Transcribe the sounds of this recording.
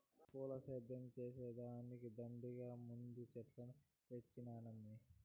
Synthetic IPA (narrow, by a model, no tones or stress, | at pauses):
puːlɐsɐjd̪ɐmt͡ʃeːseːd̪aɐnikid̪ɐmbiɡaːmund̪ut͡ʃɛʈlɐnu | ʋet͡ʃːinaːnɐmːi